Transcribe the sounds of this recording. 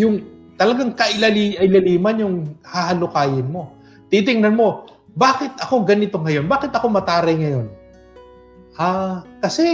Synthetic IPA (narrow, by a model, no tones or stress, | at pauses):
jʊŋt̪ɐlɐɡaŋkɐʔɪlɐliːʔɐɪlɐliːmɐnjʊŋhahɐlʊkaːjɪnmo̞ | t̪it̪̬ɪŋnɐnmo̞ | baːkɪt̪ʔɐko̞ɡɐnɪt̪o̞ŋɐjo̞nbaːkɪt̪ʔɐko̞mɐt̪aːɾɐjŋɐjo̞n | ʔaːkɐsɛ